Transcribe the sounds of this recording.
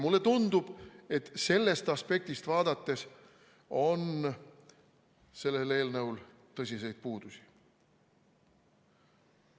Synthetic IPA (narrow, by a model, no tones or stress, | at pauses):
mulːe̞t̪und̪̥ub̥e̞t̪ːˑse̞lːe̞st̪ɑspe̞k̚t̪ist̪vɑːd̪ɑt̪ːe̞s | o̞n | se̞lːe̞le̞ːlnɤwl | t̪ɤsʲise̞jd̪̥̚puːd̪̥usi̥